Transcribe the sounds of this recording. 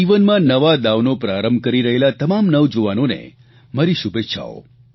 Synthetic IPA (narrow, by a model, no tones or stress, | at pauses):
iʋənmãnəʋad̪aʋnopɾaɾəmbʱkəɾiɾəɦelat̪əmamnəʋd͡ʒoʋanonḛ | maɾiʃubʱetːʃʰa̰o̰